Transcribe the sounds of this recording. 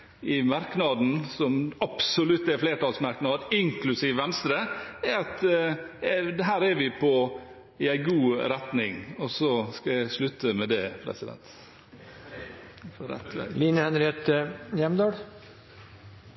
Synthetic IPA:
ɪmɑɾknɑd̪n̩sɔmɑpsɔlʉt̪ːæfleːʈɑːlsmɑɾknɑːd̪ɪŋklʉsiːʋʋɛnst̪ɾəɛɑt̪ | d̪ɛɦæːɾæɾʋɪpʰɔ | ɪæɪɡuːɾɛt̪nɪŋɔsɔskɑjæɪslʉt̪ːəmɛd̪ɛpʰɾɛ̰sɪd̪ɛ̰nt̪ | fʰɔɾɛ̰t̪ːʋæ̰ɪliːnəhɛnɾɪeːt̪əjɛmd̪ɑːɽ

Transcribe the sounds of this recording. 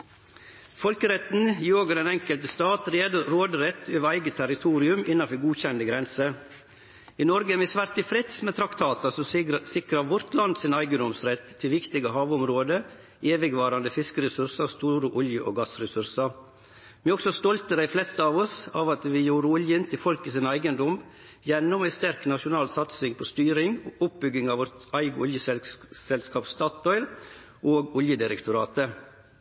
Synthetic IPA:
fɔlkəɾɛt̪n̩ɪoːɡəɾɛːnɛŋkəlt̪əst̪ɑːt̪ɾeːd̪əɾoːd̪əɾɛt̪ʰːøːʋəɾæɪɡət̪ʰæɾɪt̪ʰuːɾɪʉmɪnɑfɔɡuːçɛnd̪əɡɾɛnsə | ɪːnɔɾɡəmɪsʋæɾt̪ɪfɾɪt̪smɛːt̪ʰɾɑkt̪ʰɑːt̪ɑsɔsɪkɾɑʋʊɾt̪lɑnd̪sɪnæɪɡəd̪ɔmsɾɛt̪ʰːɪlʋɪkt̪ɪɡəhɑːʋʊmɾoːd̪ə | eːʋɪɡʋɑːɾɑnd̪əfɪskəɾɛsʉɾsɑst̪uːɾəʔʊljəʔoːɡɑsɾɛsʉɾsɑɾ | mɛɔksɔst̪ɔlt̪əd̪æɪflɛst̪əɑːʋɔsɑːʋɑt̪ʋɪjuːɾəʊljənt̪ʰɪfɔlkɪsɪnæɪɡənd̪ɔm | jɛnːɔmæɪst̪æɾknɑʂʊnɑːlsɑt̪sɪŋpʰɔst̪yːɾɪŋʊp̚bʏɡːɪŋɑːʋɔɾt̪æɪɡəʊljəssɛlskɑːpst̪ɑːt̪ɔʏɾ | ʔoːɡʊljəd̪ɪɾɛkt̪ʊɾɑːt̪ə

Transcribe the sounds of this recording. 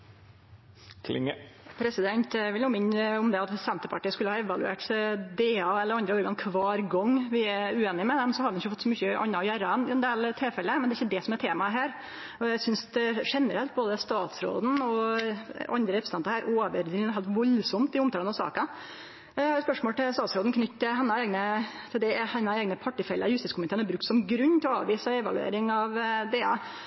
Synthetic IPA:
kʰlɪ̰ŋpʰɾɛsɪd̪ɛnt̪ʋɪluːmɪnːɔmd̪ɛɑt̪sɛnt̪əpʰɑʈiːəskʉlːəhɑːɛʋɑlʉḛːʈd̪eːɑɛlːəɾɑnd̪ɾəɔɾɡɑnkʰʋɑːɾɡɔŋːʋɪæʉeːnɪmɛd̪ɛmsɔhɑd̪əɖɛnɪçːəfɔt̪ːsɔmʏçːəʔɑ̰nːɑjæɾɑənɪɛnd̪eːlt̪ʰeːlfɛlːəmɛnd̪ɛæɪçːəd̪ɛsɔmɛɾʈ̪ʰeːmɑɦæːɾ | ɔjæsʏnsd̪ɛʂɛnəɾɛlt̪̚boːd̪əst̪ɑːt̪sɾo̰ːd̪n̩ɔ | ɑnd̪ɾəɾɛpɾəsn̩ʰɑnt̪ɾæːɾʔoːʋəɾd̪ɾɪŋhɛːlt̪ʋɔlsɔmt̪ɪʊmt̪ʰɑlənɑsɑ̰ːkɑ | hɑɾɛspœʂmoːlt̪ɪlst̪ɑːt̪sɾoːd̪n̩kʰnʏt̪ːt̪ːɪlɦɛnːɑeːɡnət̪ʰɪld̪ɛhɛnːɑeːɡnəpʰɑʈːɪfɛlːə̰jʉst̪ɪskʊmɪt̪ʰeːɾnɑbɾʉkt̪sɔmɡɾʉɲːt̪ʰɪlɔɑ̰ːʋiːsɑɔɛʋɑ̰lʉ̰ḛːɾɪŋɑʋd̪eːɑ

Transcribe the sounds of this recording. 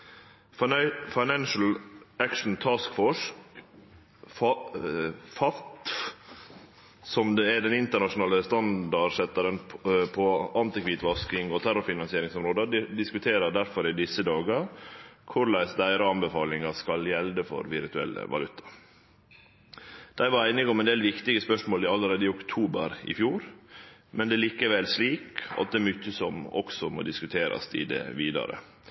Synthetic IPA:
fɑɪnænʃl̩ækʃn̩t̪ʰɑskfɔʂk | fɑt̪ | sɔmd̪eɛɖ̪ɛnɪnt̪əɳɑʂʊnɑːləst̪ɑnd̪ɑsɛt̪ːəɾənʰpʰɔɑnt̪ɪkʰʋiːt̪ʋɑskɪŋoːt̪ʰæɾʊfɪnɑnsɪeːɾɪŋsɔmɾoːd̪əd̪ɪskʉt̪ʰeːɾəd̪æɾfɔɾɪd̪ɪsəd̪ɑːɡəkʰʊɾlæɪsd̪æɪɾɑɑnbəfɑːlɪŋɑskɑljɛld̪əfɔ̰ɾʋɪɾt̪ʉɛ̰lːə̰ʋɑ̰lʉt̪ʰːɑ̥ɾ | d̪̥æɪʋɑɾæɪnɪɡɔmɛnd̪eːlʋɪkt̪ɪɡəspœʂmoːlɪɑlːəɾeːd̪əɪʊkt̪ʰuːbəɾɪ̰fjuːɾmɛnd̪ɛːliːkəʋɛlsliːkɑ̰t̪̚d̪ɛɛɾmʏçːəsɔmɔ̰ksɔmo̰ːd̪ɪskʉt̪ʰeːɾɑ̰st̪ɪ̰d̪ɛ̰ʋiːd̪ɑ̰ɾə̰

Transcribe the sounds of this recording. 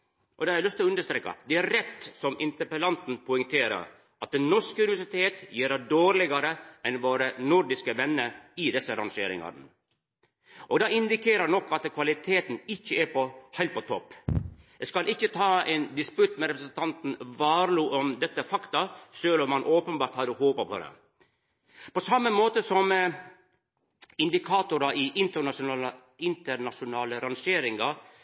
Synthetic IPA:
ʔɔd̪ɛhɑɾæɪlʉst̪ʰːɪlɔʉnd̪əʂt̪ɾeːkɑ̰d̪ɛæɾɾɛt̪ːsɔmɪnt̪əpəlɑnt̪n̩pʰʊʏŋt̪ʰeːɾə̰ɾ | ʔɑt̪̚d̪ɛnnɔʂkəʉnɪʋæʂɪt̪ʰeːt̪jiːɾɑd̪oːɾlɪɡɑɾəɛnʋoːɾənʊɾd̪ɪskəʋɛnːəɪd̪ɛsːəɾɑŋʂḛːɾɪ̰ŋɑ̰ɾnə̰ | ʔɔɡd̪ɑːɪnd̪ɪkʰeːɾəɾnɔkːɑt̪kʰʋɑlɪt̪ʰeːt̪n̩ɪçːəæɾpɔhæɪlt̪̚pʰɔt̪ʰɔpː | jæskɑlʔɪçːət̪ʰɑːɛɪnd̪ɪspʉt̪mɛɾɛpɾəsənt̪ʰɑnt̪n̩ʋɑːɾluːʔɔmd̪ɛt̪ːəfɑkt̪ɑʃølɔmːɑnʔoːpənbɑːɾʈt̪hɑɾdʊhoːpəpʰɔ̰d̪ɛ̰ | pɔsɑmːəmoːt̪əsɔm | ɪnd̪ɪkʰɑːt̪ʊɾɑʔɪʔɪnt̪əɑʊ | ɪnt̪əɾnɑʂʊnɑːləɾɑnʂeːɾɪŋɡɑ

